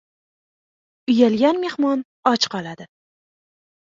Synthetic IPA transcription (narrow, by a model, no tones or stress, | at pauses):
ʊjalɡʲanme̞hmɒn | ɒt͡ʃqʰɒlˠad̪ɪ